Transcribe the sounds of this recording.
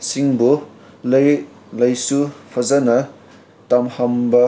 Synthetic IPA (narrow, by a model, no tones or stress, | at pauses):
siŋbu | lɐj | lɐjsupʰɐzɐnɐ | tɐmhɐmbɐ